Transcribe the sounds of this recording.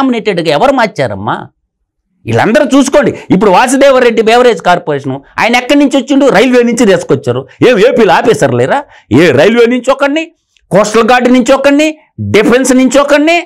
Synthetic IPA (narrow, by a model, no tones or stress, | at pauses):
mbineːʈeɖuɡaɛʋɐɾumaːt͡ʃːa̰ːɾɐ̰mːa̰ː | ḭɭːɐ̰nd̪ɐɾut͡ʃuːs̬u̥koːɳɖiip̬ːuɽuʋaːs̬ɐd̪ɛːʋɐɾeɖːibɛːʋɐɾeːd͡ʒkaːɾpoːɾeːʂ̬ɐnua̰ːjɐnɐɛkːɐɳniɲt͡ʃiot͡ʃːiɳɖiɾɐjlʋeːniɲt͡ʃid̪eːsu̥kɔt͡ʃːaːɾueːmeːpiːluaːpeːsɐɾleːɾaː | eːɾɐjlʋeːniɲt͡ʃɔkːɐɳːi | kɔːsʈɐlɡaːɖniɲt͡ʃɔkːɐɳːi | ɖipʰensniɲt͡ʃɔkːɐɳːi